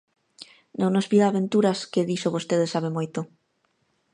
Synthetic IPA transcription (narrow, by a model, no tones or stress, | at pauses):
nẽwnozβiðaːβẽnt̪uɾaskeðisoβost̪eðesaβemojt̪o